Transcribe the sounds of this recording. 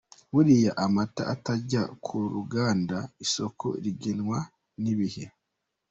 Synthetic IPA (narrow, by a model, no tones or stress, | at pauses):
wuɾijaʔamata̰ʔːtaɟakʰuɾuɡaːndaiso̞kʰo̰ɾiɡenwa | niβihe̞